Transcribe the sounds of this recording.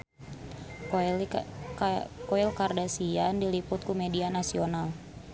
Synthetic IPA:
kɔilkardasiandilipʊt̪̚kumɛdianasional

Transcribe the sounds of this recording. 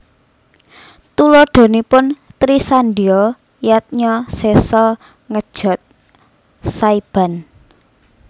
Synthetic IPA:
t̪ulɔɖ̪̥o̤nipʊnt̪ɾisand̪iɔ | jat̪̚ɲɔsesɔ | ŋəd̥ʒ̥ɔ̤t̪̚ | saib̥a̤n

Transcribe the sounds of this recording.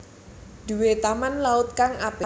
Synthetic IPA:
d̪̥ṳwet̪amanlaʊt̪̚kaŋab̥ɛ

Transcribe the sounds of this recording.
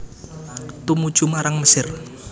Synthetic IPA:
t̪umu̥ʒ̥umaɾaŋməsɪr

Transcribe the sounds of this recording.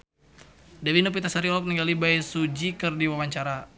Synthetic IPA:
dawinop̬it̪asaɾilɔk̚niŋɡalibajsud͡ʒikɨrdiwawaɲt͡ʃaɾa

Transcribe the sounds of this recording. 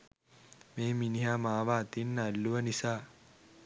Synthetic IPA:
meːminiɦamaːʋaːt̪inːalːuʋənisaː

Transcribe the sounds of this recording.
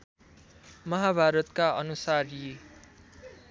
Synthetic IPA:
mʌɦabʱaɾʌt̪̚kaʌnusarji

